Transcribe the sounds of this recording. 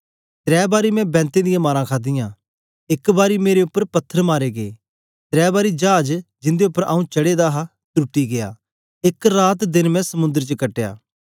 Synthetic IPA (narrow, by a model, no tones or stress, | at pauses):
t̪ɾɛːbaːɾimɛ̃bɛ̃ːnt̪ed̪ɪjãmaːɾãkʰaːd̪ɪjãː | ɪkbaːɾimeːɾeʊpːəɾpɐt̪ʰːəɾmaːɾeɡeː | t̪ɾɛːbaːɾid͡ʒaːd͡ʒd͡ʒɪ̃nd̪eʊpːəɾʔa̰ːũt͡ʃɐɽed̪aɦa | t̪uʈːiɡejaː | ɪkɾaːt̪d̪ɪnmɛ̃sɐmʊ̃nd̪əɾt͡ʃəkɐʈːeja̰ː